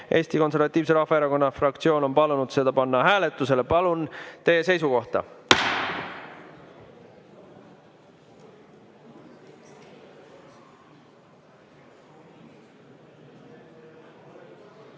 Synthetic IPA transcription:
ʔe̞ːst̪iko̞nse̞rvɑt̪ʲˑːiːvs̬e̞ɾɑhfːˑɑeɾɑko̞nːɑfrɑkt̪sio̞ːno̞mpɑlunud̪̥se̞d̪̥ɑpɑnːɑhæːle̞t̪ːˑuse̞le̞pɑlunt̪e̞je̞se̞js̬uko̞ht̪ɑ̰

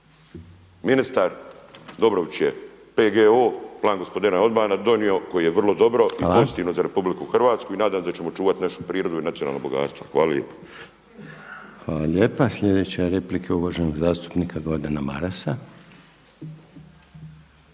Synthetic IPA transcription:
minist̪aɾd̪o̞bɾoʋit͡ɕje | peɡeoːplˠaːnɡo̞spo̞d̪inao̞d̪baːnad̪o̞nio̞ko̞jijeʋr̩lo̞d̪o̞bɾo̞ʔipo̞zit̪iːʋno̞zaɾe̞publikuxr̩ʋaːt̪skuinaːd̪aːmsd̪at͡ɕemo̞t͡ʃuːʋat̪naʃupɾiːɾo̞d̪uinat̪siona̰lno̰boɡa̰ːt̪st̪ʋa̰xʋa̰ːlalʲjḛːpḁ | xʋaːlalʎʲeːpasʎʲe̞d̪eːt͡ɕeɾe̞plikʰeuʋaʒenoɡzaːst̪u̥pnikaɡod̪anama̰ɾasa

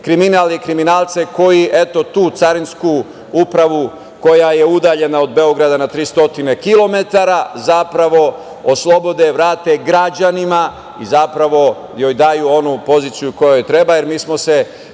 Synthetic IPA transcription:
kɾiminaːlikɾiminaːlˠt̪se̞ko̞jiʔe̞t̪o̞t̪uːt̪saɾinsku | upɾaʋu | ko̞jaje̞ud̪aʎe̞nao̞d̪be̞o̞ɡɾad̪anat̪ɾiːst̪o̞t̪ine̞kilˠo̞me̞t̪aɾazapɾaʋo̞ | oslˠo̞bo̞d̪eʋɾaːt̪eɡɾad͡ʑanima | izapɾaʋo̞ | joːjd̪aːjuo̞nupo̞ziːt̪sijuko̞jojet̪ɾe̞baje̞ɾmiːsmo̞se̞

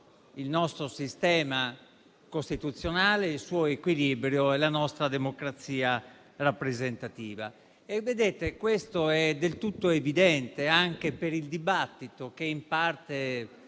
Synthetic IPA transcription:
ilnɔst̪ɾosist̪ɛːma | kost̪it̪ut̪sːjonaːleilsuːekwilibɾjoɛlanɔst̪ɾad̪emokɾat̪sːiːa | rapːɾezent̪at̪iːva̰ | evːed̪eːt̪ekwest̪oɛd̪elt̪ut̪ːoevid̪ɛnt̪eaŋk̟epeɾild̪ibat̪ːit̪ok̟eimpart̪e

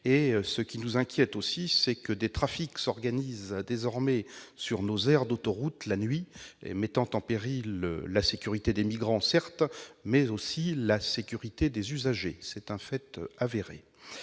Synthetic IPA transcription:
esəkʲinuzɛ̃kʲjɛt̪osisɛkəd̪et̪χafiksɔʁɡanizd̪ezɔʁmɛsyʁnozɛʁd̪ot̪ɔʁut̪lanɥiḛmɛt̪ɑ̃t̪ɑ̃peʁilːasekʲyʁit̪ed̪emiɡʁɑ̃sɛʁt̪mɛzosilasekʲyʁit̪ed̪ezyzaʒesɛt̪ɛ̃fɛt̪aveʁḛ

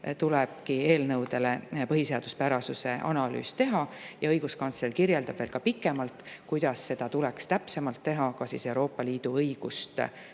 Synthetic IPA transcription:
t̪ulɛb̥̚kie̞ːlnɤwd̪e̞le̞pɤɦise̞ɑd̪̥uspæɾɑsuse̞ʔɑ̰nɑly̰ːst̪e̞ɦɑjɑɤjɡ̥uskɑnselkirjeld̪ɑb̥veːlkɑpikːˑe̞mɑlt̪ˑkujd̪̥ɑsːe̞d̪̥ɑt̪ulɛkst̪æpse̞mɑlt̪ːe̞ɦɑkɑsise̞uwɾo̞ːpːˑɑliːd̪̥uɤjɡ̥ust̪

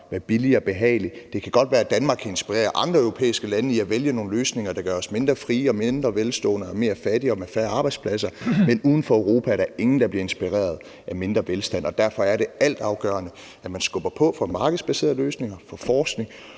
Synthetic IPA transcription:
ʋæɐb̥iliɒb̥e̝ɦɛ̰ːɪlid̥e̝kʰæɡ̥ɒ̽d̥ʋæːɐæd̥ænmɑ̈ːɡkʰæe̝nsb̥iʁḛːɐʔɑ̈nd̥ʁɐœʊʁo̝pʰḛːisɡ̥əlænəiæʋeljɐno̝ːn̩løːsne̝ŋɐd̥ɑ̈ɡ̥ɶːɐɒsme̝nd̥ʁɐfʁiːɒ̽me̝nd̥ʁɐʋelsd̥ɔ̰̽ːnəɒme̝ːɐfæd̥iɒ̽mefæːɐɑ̈ːb̥ɑ̈ɪd̥spʰlæs̬ɐmenuːðˠn̩fɒ̽eʊʁo̝ːpʰææɐɾɑe̝ŋn̩d̥ɑ̈b̥liɐe̝nsb̥iʁḛːɐð̞̩ˠ | ʔæme̝nd̥ʁɐʋelsd̥æn̰ʔɒ̽d̥æɐfɒ̽æɐɾe̝æl̰d̥ɑ̈ʊɡ̥œ̰ːɐnə | æmænsɡ̥ɔ̽b̥ɐpʰɒ̽fɒmɑ̈ːɡ̥əð̩ˠsb̥æse̝̰ːɐðˠløːsne̝ŋɐfɒfɒːsɡ̥ne̝ŋ

